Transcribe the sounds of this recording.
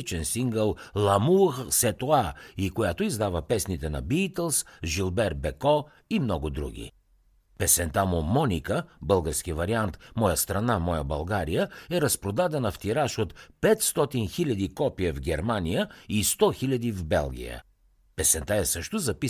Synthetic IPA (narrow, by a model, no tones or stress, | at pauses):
t͡ʃɛnsiŋɡəlˠlˠɐmuxsɛt̪oaikojat̪oizd̪avəpɛsnit̪ɛnɐ̰biːt̪ɛlˠsʒilˠbɛɾ̚bɛkɔ | imnɔɡʊd̪ɾṵɡ̟ʲḭ | pɛsɛnt̪amomɔnʲikəbɤlˠɡəɾsk̟ivɐɾiant̪mɔjəst̪ɾɐnamɔjəbɐlˠɡaɾijəɛɾɐspɾod̪ad̪ɛnɐft̪iɾaʃot̪pɛt̪st̪ɔt̪inxilʲɐd̪ikɔpiɛvɡʲɛɾmanijəist̪ɔxilʲɐd̪ivbɛ̰lˠɡ̟ʲḭjə̰ | pɛsɛnt̪aɛsəʃt̪ʊzɐpi